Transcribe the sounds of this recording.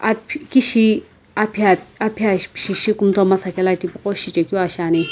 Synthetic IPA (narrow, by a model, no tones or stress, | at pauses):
apkiʃi | apʰiaapʰiaʃpʃiʃikumtomasakɛlatipukoʃit͡ʃekiaʃane